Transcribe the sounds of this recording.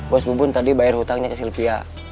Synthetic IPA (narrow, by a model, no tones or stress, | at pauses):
bɔsbubʊnt̪adibaɛrhut̪aŋɲakəsilpia̰